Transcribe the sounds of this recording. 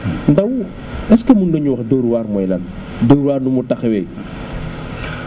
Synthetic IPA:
ndɐw | ɛskɛmunɡəɲuwɐxdoːɾwaːɾmɔjlɐn | doːɾuwaːrnumutɐxɛwɛj

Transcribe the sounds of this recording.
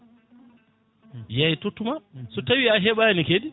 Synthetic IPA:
jajtutumasutawiaɦebajanikedi

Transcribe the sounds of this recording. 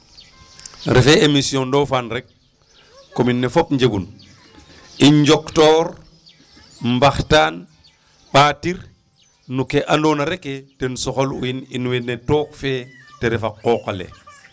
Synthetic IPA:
ɾefeemisijõndofanɾek̚ː | ominːefopɲd͡ʒeɡun | iɲd͡ʒoktoːɾ | mbaxtaːn | ɓaːtiɾ | nukeʔandonaɾeketenusɔxolṵjininuwenetokfeteɾefakokalḛ

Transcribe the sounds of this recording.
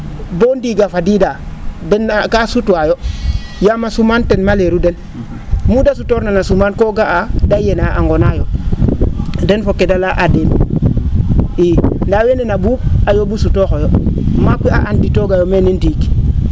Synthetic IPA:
bondiɡafadidadenːakasutwajo | jamasumantenmaleɾuden | mudasutoɾnanasumankoɡaadajenaa̰ŋɡonajo | denfokːedalaʔademi | indawenenabub̚ajobusutoxojomakʷia̰ʔanditoɡajomenendiki̥

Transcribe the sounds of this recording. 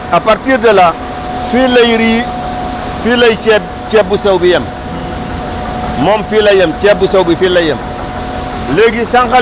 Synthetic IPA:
apaɾtiɾdela | filajɾi | filajit͡ʃet̚ | t͡ʃebusawbijem | momfilajemt͡ʃebusawbifilajem | leɡisaŋxa

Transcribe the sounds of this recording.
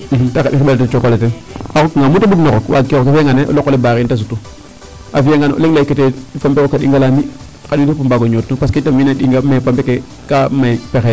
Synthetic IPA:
takaɗixɓaltet͡ʃokoleteaokŋamutabuknokokwʔa̰kekokafeŋɡaneʔo̰lokolebakintas̬utu | afijeŋɡano̰leŋlaikːetefambekokːaɗḭŋɡalami | kaɗintupumbaɡoɲotnupas̬keitaminaɗiŋɡamapambeke | kamaipexe

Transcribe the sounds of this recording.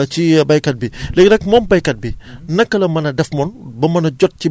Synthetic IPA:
t͡ʃibɐjkɐt̚bilɛɡnɐk̚mɔːmbɐjkɐt̚binɐkːɐlɐmɐnɐdɛfmɔnbɐmɐnɐɟɔt̚t͡ʃi

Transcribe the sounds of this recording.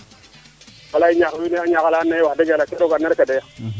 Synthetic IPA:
walaiɲaxwineaɲakalanewadeɡalakeɾokanːaɾkadeja

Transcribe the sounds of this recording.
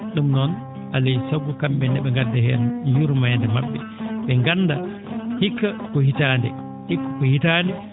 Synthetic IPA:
ɗumnɔn | ʔalesaɡukambɛndɛɓɛŋɡadːahɛljuɾmajndɛmabːɛ̰ | ɓɛŋɡanːda | hikːakɔhitaːndɛ | hikːḁkɔhitandɛ

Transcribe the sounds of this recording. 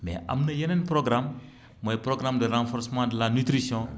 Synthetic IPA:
mɛ̰ʔɐ̰mnəjɛnɛnpɾɔɡɾamː | ojpɾoɡɾamdəɾãfɔɾsəmãdəlanyt̪ɾisjɔ̃

